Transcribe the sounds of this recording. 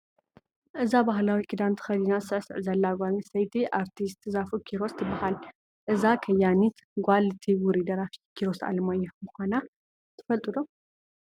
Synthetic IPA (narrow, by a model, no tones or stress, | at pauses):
ʔɨzabaɦlawikʰid̪ant̪ʰxɐd̪inasɨʕsɨ̰ʕzɐlːaɡʷalisɐjt̪ʰiʔaɾt̪ʰist̪ʰɨzafukʰiɾo̞st̪ʰːɨbahal | ʔɨzakʰɐjanit̪ | ɡʷalt̪ʰiwuɾid̪ɐɾafi̥kʰiɾosa̰lmajːɛmɨxana | t̪ʰɨ̥fɐlt̪ʼɨd̪o